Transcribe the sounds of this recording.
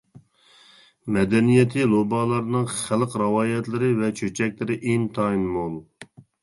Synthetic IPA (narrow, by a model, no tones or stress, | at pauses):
mɛd̪ɛnijɛt̪ʰɪlˠobɑlˠɑɾnɨŋχælˠqɾɑwɑːjɛt̪lɪɾɪvɛt͡ʃʰøt͡ʃʰɛk̚ʲlɪɾɪʔent̪ʰɑinmolˠ